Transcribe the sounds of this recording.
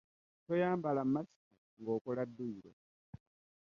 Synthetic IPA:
tojaːmbalamːasi̥ka | ŋɡo̞ːkoladːuiɾo̰

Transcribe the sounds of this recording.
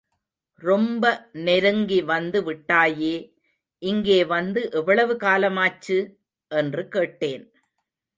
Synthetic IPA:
ɾɔmbɐnɛɾɯŋɡiʋɐnd̪ɯʋɪʈːaːjeː | ʔɪŋɡeːʋɐnd̪ɯʔɛʋːɐɭɐʋɯkaːlɐmaːt͡ʃːɯ | ʔɛndrɯkeːʈːeːn

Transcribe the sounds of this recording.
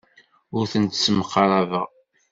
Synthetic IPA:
ʊɾθənt̪sməqːɑɾˤɑvəʁ

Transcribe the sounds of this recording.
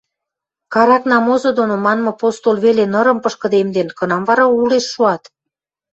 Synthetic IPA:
kɑɾɑknɑmozod̪onomɑnmɤ̆post̪olβelenəɾə̆mpəʃkə̆d̪emd̪enkə̆nɑmvɑɾɑuleʃːuɑt̪

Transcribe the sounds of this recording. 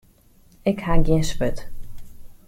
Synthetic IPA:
ɪkhaɡiənspøt

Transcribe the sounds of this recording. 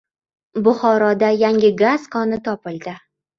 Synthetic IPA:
bʊχɒɾɒd̪ajaŋʲɪɡaz̥kʰɒnɪt̪ʰɒpɪld̪ɪ

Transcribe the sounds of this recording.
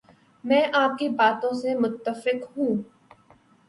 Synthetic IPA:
mɛ̃ːʔaːp̚kibaːt̪õsemʊt̪ːəfɪqɦũː

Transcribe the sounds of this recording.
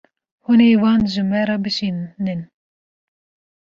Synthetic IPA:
hunewɑːnʒɨmɛɾɑbɨʃiːnnɨn

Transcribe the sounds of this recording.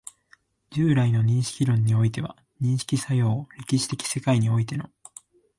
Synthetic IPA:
d͡ʑɨːɾaino̞ɲ̟ĩɰ̃ɕi̥kʲiɾõ̞ɲ̟ːio̞it̪e̞βa̰ | ɲ̟ĩɰ̃ɕi̥kʲisajo̞ːɾe̞kʲiɕi̥t̪e̞kʲi̥se̞kaiɲ̟io̞it̪e̞no̞

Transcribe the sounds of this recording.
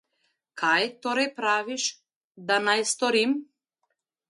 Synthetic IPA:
kʰajt̪ɔɾajpɾaʋiʃ | d̪anajst̪ɔɾim

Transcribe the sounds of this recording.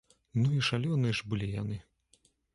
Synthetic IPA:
nuiʂalʲɔnɨʐbɨlʲijanɨ

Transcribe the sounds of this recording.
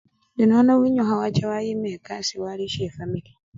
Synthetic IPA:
dinanawiɲɔɦawat͡ʃawajimɛːkasiwaɾiʃɛfamili

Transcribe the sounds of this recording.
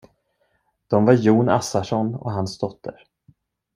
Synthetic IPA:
d̪̥ɔmvaɾjuːna̰saʂɔnɔ̰ɦansd̪ɔt̪ʰːə̰ɾ

